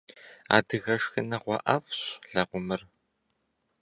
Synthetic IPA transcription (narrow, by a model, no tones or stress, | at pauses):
a̰ːdɨɣɐʂxɐnɐʁʷɑ̰ʔɐfɕɮɐqʷʊmɨr